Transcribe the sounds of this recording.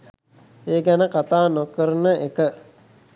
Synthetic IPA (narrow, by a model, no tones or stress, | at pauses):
eːɡænəkat̪aːnokəɾənəʔekə